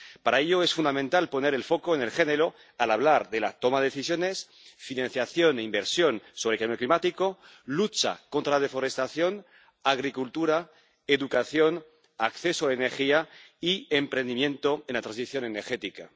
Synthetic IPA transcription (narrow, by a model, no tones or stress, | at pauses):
paɾaeʎoesfund̪amẽnt̪alpo̞ne̞ɾelfo̞koenelxe̞neɾo | alaβlaɾðela̰t̪omaðeeθisjones | finãnθjaθjo̞neimbeɾsjo̞nsoβ̞ɾekambjoklimat̪iko | lut͡ʃa̰ko̞nt̪ɾaðefo̞ɾest̪aθjo̞n | aɣ̞ɾikult̪uɾa | eðukaθjo̞n | akθe̞soaeneɾxiaiempɾend̪imjẽ̞nt̪oenlat̪ɾãnsiθjo̞neneɾxet̪ika̰